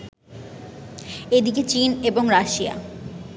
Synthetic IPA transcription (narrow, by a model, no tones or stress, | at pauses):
ed̪iket͡ɕineboŋɾaʃia̰